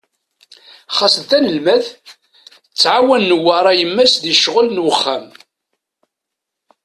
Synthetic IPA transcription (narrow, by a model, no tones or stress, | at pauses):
χɑsəðθænəlmæð | t͡sːʕawænːəwːɑɾˤɑjəmːæsðiʃʁəlnwəχːæm